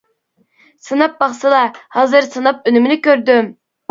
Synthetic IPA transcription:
sɨnɑp̚bɑχsɨlˠɑhɑːzɨɾsɨnɑp̚ønymɪnɪkʲøɾd̪ym

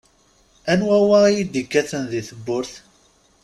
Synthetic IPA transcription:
ænwæwæijid̪ikːæθənðiθəbːʊɾθ

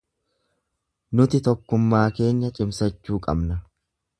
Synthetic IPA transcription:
nʊt̪ɪt̪ɔkːʊmːaːke̞ːɲːɐt͡ʃʼɪmsɐt͡ʃːuːkʼɐbnɐ

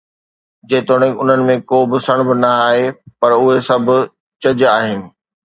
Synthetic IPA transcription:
d͡ʑeːt̪oɽ̃ɪ̃ʊn̤ənɪ̆mẽkoːbɪsəɽ̃bɪnɐaːɦepɐɾʊɦesɐbʱʊ̆ | t͡ɕɐd͡ʑaːɦɪnɪ̆

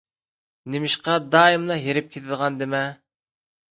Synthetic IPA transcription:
nɪmɪʃqɑd̪ɑːɪmlˠɑjeɾɪp̚kʲʰet̪ʰɪd̪ʁɑnd̪ɪmɛ

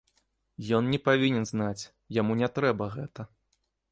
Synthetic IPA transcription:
jɔnnʲɛpavʲinʲɛnznat͡sʲ | jamunʲɛt̪ɾɛbɐɣɛt̪ɐ

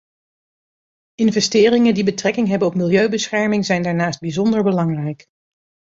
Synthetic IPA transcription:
ɪnvɛstɪːrɪŋəndibətrɛkɪŋɦɛbənɔp̚mɪlˠjøɥbəsχɛɹmɪŋzɛjndaːɹnaːsd̚bizɔndəɹbəlɑŋrɛjk

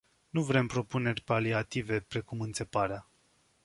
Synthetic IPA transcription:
nuvɾe̞mpɾo̞pune̞rʲpaliat̪ive̞pɾe̞kumɨnt̪se̞paɾea

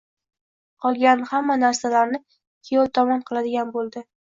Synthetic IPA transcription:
qʰɒlˠɡʲanhamːanaɾsalaɾnɪ | kʲʰejɒlt̪ʰɒmɒnqʰɨlˠad̪ɪɡʲanbolˠd̪ɪ

